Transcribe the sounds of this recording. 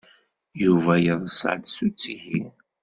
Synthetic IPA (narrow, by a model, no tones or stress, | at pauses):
juvæjəðˤəsʕd̪sut͡sːihin